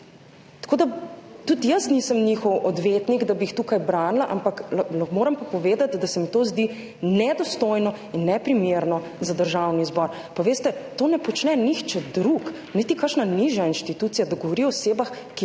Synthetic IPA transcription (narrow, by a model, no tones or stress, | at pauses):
t̪ḁkoːd̪at̪ut̪jəsnisəmnixɔwɔd̪ʋeːt̪niɡd̪abixt̪ukajbɾaːnlaʔampakmoːɾɐmpapɔʋeːd̪at̪d̪asɛmɛt̪oːzd̪i | nɛd̪ɔst̪oːjnɔ | inːɛpɾimeɾnɔ | zad̪əɾʒawnizbɔɾ | pɔʋeːst̪ɛt̪oːnɛpɔt͡ʃnɛnixt͡ʃɛd̪ɾuk | nit̪ikaɾʃnaniʒjainʃt̪it̪uːt̪sijad̪ɔɡɔʋɔɾiɔɔseːbax | ki